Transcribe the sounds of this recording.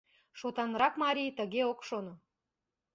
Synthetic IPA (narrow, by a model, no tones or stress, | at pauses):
ʃot̪ɑnɾɑkmɑɾʲijt̪əɣeokʃono